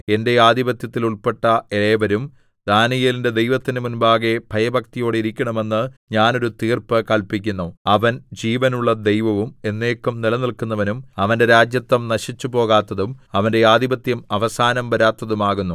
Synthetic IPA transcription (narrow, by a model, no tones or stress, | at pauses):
e̞nde̞aːd̪ibɐt̪jɐt̪ːiluɭpe̞ʈːɐeɭeʋɐɾum | d̪aːnijelinde̞d̪ejʋɐt̪ːinɨmunbaːɣe̞bʱɐjɐbʱɐk̚t̪ijo̞ːɽiɾikʲːɐɳɐme̞nːɨɲaːno̞ɾut̪iːrpɨkɐɭpikʲːunːuɐʋɐnd͡ʑiːʋɐnuɭːɐd̪e̞jʋɐʋume̞nːe̞ːkːumnilɐnilkunːɐʋɐnumɐʋɐnde̞ɾaːd͡ʑjɐt̪ːɐmnɐɕit͡ɕːupo̞ːɣaːt̪ːɐðumɐʋɐnde̞aːd̪ibɐt̪jɐmɐʋɐsaːnɐmbɐɾaːt̪ːɐðumaːɣunːu